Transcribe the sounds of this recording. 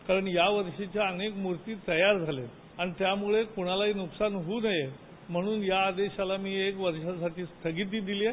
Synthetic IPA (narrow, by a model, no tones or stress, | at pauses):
kaɾəɳjaʋəɾʂit͡ɕjaənekmuɾt̪iːt̪əjaɾd͡zʱale | aɽ̃it̪jamuɭekuɽ̃alaɦiːnuksanɦuːnəje | m̤əɽ̃uːnjaːd̪eɕalamiːekʋəɾʂasaʈiːst̪ʰəɡiːt̪̚ːiːd̪ilie